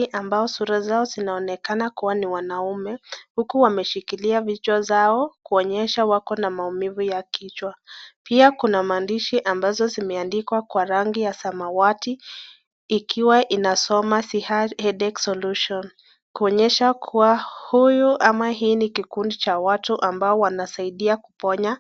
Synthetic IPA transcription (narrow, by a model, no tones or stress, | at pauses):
ʔambaɔsuɾazaɔzinaɔnɛkanakuwaniwanaumɛhukuwamɛʃikiliavit͡ʃwazaɔkuɔɲɛʃawakɔnamaumivujakit͡ʃwapiakunamaːndiʃiʔambazɔzimɛandikwakwaɾaŋɡijasamawati | ikʰiwaʔinasɔmasihahɛɗɛksɔluʃɔn | kuɔɲɛʃakʰuwahujuʔamaɦiːnikikundit͡ʃawatuʔambaɔwanasaiɗiakupɔɲa